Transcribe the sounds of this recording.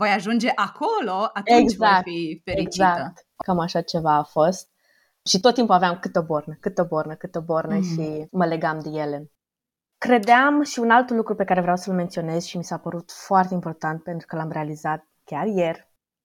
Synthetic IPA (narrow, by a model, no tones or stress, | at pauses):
vo̞jaʒund͡ʒe̞ʔakʰoloat̪euɡt͡ʃzakfifeɾiɡzak̚t̪ | kamaʃat͡ʃe̞vaːfost̪̚ | ʃit̪ot̪ːimpuaveamkɨt̪əbo̞rnəkɨt̪əbo̞rnəkɨt̪əbornəʃiməle̞ɡamd̪eje̞le̞ | kɾe̞d̪eamʃiunalt̪lukɾupe̞kaɾe̞vɾeawsəlment̪sio̞ne̞z̥ʃimisapəɾut̪foart̪e̞impo̞rt̪ant̪̚pe̞nt̪ɾu̥kəlamɾe̞alizat̪̚kʲarje̞r